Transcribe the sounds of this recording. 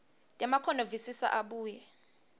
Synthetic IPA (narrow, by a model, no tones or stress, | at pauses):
tʼamakʰɔnovisisa̰ʔaɓuːjɛ